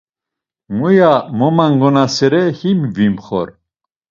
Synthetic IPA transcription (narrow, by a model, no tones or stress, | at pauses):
mujamɔmaŋɡɔnasɛɾɛhimvimχɔ̰ɾ